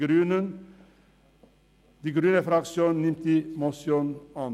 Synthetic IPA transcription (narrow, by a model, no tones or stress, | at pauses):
ɾʉːnən | d̪iːɡɾyːnəfɾɑksjuːnnnɪmt̪imɔsjuːnɑn